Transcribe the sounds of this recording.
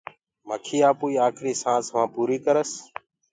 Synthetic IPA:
məkʰiːaːpuːiːaːkʰɾiːsãːsʋãːpuːɾiːkəɾəs

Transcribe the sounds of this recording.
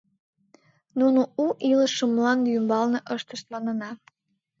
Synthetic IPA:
nunouʔiləʃəmlɑnjymbɑlneʔəʃt̪əʃt̪lɑnənɑ

